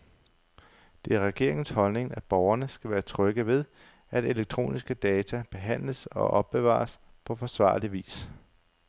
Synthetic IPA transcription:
d̥e̝æɐʁɛɡ̥e̝̰ɐ̰e̝ŋn̩shɒ̽lne̝ŋæb̥ɒʊɐnəsɡ̥æʋæːɐt͡sʰʁœɡ̥əʋe̝ð̞ˠ | æd̥e̝leɡ̥̚t͡sʰʁo̝̰ːnisɡ̥əd̥ɛːt͡sʰæb̥e̝ɦæn̰ləsɒ̽ʔɒ̽b̥̚ːe̝ʋɑ̰̈ːs | pʰɒ̽fɒ̽sʋɑ̰̈ːliʋḭːs

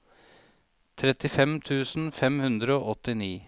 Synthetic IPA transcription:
t̪ʰɾɛt̪ɪfɛmt̪ʰʉːsn̩fɛmhʉnd̪ɾəoːʔɔt̪ɪniː

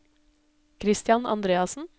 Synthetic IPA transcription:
kʰɾɪst̪jɑnʔɑ̰nd̪ɾeːɑsn̩

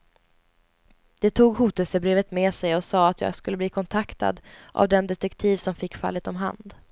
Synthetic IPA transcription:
d̪̥ɛt̪ʰuːɡhuːt̪əlsəbɾeːvət̪meːsɛjɔsɑːat̪jɑ̰ːɡskɵlːəbliːkʰɔnt̪ʰakt̪a̰d̪ʔa̰vd̪ɛnd̪ɛt̪ɛkt̪ʰiːvsɔmfɪkːfa̰lːət̪ɔmɦa̰nd̪

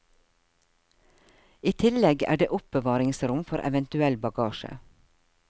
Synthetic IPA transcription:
iːt̪ʰɪlɛɡæ̰ːɖḛːʔʊp̚bəʋɑːɾɪŋsɾʊmfɔɾʔɛ̰ʋənt̪ʉɛlbɑɡɑːʃə̰

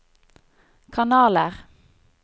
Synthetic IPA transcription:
kʰɑnɑːləʁ

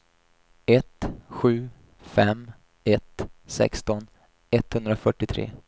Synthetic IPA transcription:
ɛt̪ɧʉ̟ː | fɛm | ɛt̪sɛ̰kst̪ɔn | ɛt̪ːhɵnd̪ɾafœʈːɪt̪ʰɾḛː

